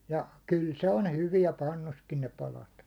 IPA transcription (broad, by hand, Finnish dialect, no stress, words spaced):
jɑ kyl se on hyʋiɛ pɑnːuskin ne pɑlɑt